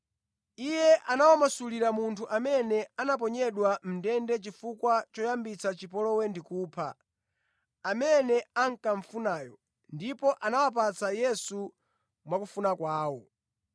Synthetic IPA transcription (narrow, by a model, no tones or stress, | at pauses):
ijɛʔanawamasuliɾamuntʰuʔamɛnɛanap̬ɔɲɛɗwam̩dɛndɛt͡ʃifukwat͡ʃɔjambit͡sat͡ʃipɔlɔwɛndikuːpʰa | mɛnɛaŋ̩kaɱ̩funaːjɔ | ndipɔʔanawap̬at͡sajɛsu | mwakufunakwaːwɔ